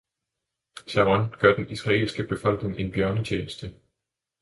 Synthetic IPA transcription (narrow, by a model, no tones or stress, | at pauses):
sæʁɒnɡ̥øɐ̰d̥enisʁɑ̈ḛːlsɡ̥əb̥e̝fɒ̽l̰ɡ̥ne̝ŋe̝nb̥jɶɐnət͡ɕʰeːnəsd̥ə